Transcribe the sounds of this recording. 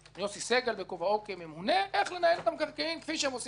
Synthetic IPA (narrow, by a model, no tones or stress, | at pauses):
josiseɡelbekovaokememuneʔeχlenaelot̪amkaʁkeimkfiʃeemot͡s